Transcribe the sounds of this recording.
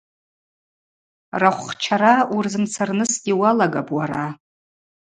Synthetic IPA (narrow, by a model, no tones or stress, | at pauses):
raχʷːt͡ʃʰaɾaurzɨmt͡sʰarnɨsɡʲiwalaɡapʼwaɾa